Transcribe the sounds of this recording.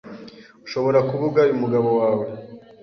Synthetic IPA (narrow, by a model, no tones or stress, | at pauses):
uʃo̞βo̞ɾakuβuɡaumuɡaβo̞waːwe̞